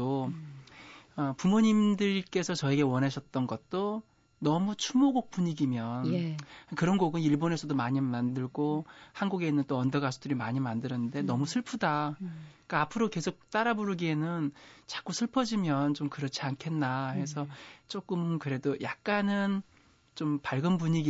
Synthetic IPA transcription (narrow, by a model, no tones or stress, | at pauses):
o | ʌpumoɲimdɯɭk͈e̞sʰʌt͡ɕʌeɡe̞wʌnɦaɕʰʌt̚t͈ʌnɡʌt̚t͈o | nʌmut͡ɕʰumoɡok̚p͈uɲiɡimjʌnkɯɾʌnɡoɡɯniɭbone̞sʰʌdomaɲimandɯɭɡohanɡuɡe̞nɯnt͈oʌndʌɡasʰudɯɾimaɲimandɯɾʌnɯnde̞nʌmusʰɯɭpʰuda | k͈aːpʰɯɾoke̞sʰok̚t͈aɾaboɾɯɡie̞nɯnt͡ɕḁk͈usʰɯɭpʰʌd͡ʑimjʌnt͡ɕomkɯɾʌt͡ɕʰiankʰe̞nːahe̞s̬ʰʌt͡ɕ͈ok͈ɯmkɯɾe̞dojak̚k͈anɯn | t͡ɕompaɭɡɯnpuɲiɡi